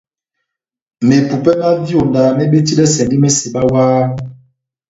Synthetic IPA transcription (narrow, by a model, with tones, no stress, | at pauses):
me˨pu˨pɛ˦ma˦vi˦o˨daː˨me˦ɓe˦ti˦lɛ˦sɛ˨ndi˦me˦se˨ba˦waː˦